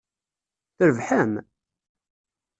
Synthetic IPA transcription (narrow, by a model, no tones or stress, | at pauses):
θəɾəvħæm